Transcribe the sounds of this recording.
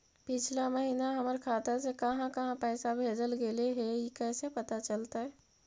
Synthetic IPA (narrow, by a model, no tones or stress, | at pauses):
pɪt͡ʃʰlaməɦiːnaɦɐməɾkʰaːt̪əɾsekɐɦãkɐɦãpɛːsabʱeːd͡ʒəlɡeleɦɛikɛːsepɐt̪at͡ʃəlt̪aɦɛː